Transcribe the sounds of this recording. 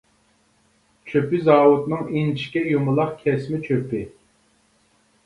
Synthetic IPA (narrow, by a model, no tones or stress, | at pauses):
t͡ʃʰøpɪzɑːwʊt̪nɨŋint͡ʃʰi̥kʲɛjumɨlˠɑq̚kʲʰɛsmɪt͡ʃʰøpɪ